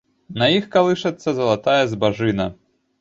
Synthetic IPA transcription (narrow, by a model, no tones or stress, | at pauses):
nɐjixkalˠɨʂɐt̪sːɐzɐlˠat̪ajɛzbaʐɨnɐ